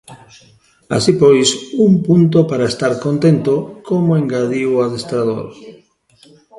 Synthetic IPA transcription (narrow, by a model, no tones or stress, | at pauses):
a̰sipojsumpunt̪̬opaɾaest̪aɾkont̪ent̪okomoeŋɡaðiwaðest̪ɾað̞o̰ɾ